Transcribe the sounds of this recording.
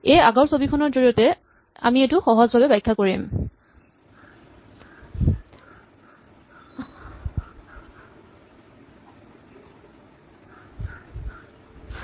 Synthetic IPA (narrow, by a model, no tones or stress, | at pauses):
ejaɡɔɹsobikʰɔnɔɹzoɹijɔtɛ | a̰mietʊxɔɦɔzbʱabɛbajkʰːakoɹim